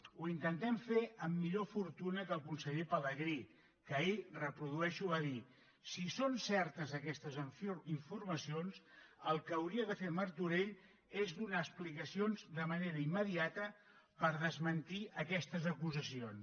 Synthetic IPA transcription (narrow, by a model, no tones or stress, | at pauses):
uint̪ənt̪ɛmfeʔəmːiʎofuɾt̪unəkəlˠkunsəʎepələɣɾi | kəirəpɾuðuɛʃuβaði | sisonsɛɾt̪əzəkɛst̪əziɱfurməsionsəlˠkəwɾiəðəfeməɾt̪uɾeʎ | ezd̪unaːsplikəsionzd̪əməneɾəimːəðiat̪ə | pəɾðəzmənt̪iʔəkɛst̪əzəkuzəsions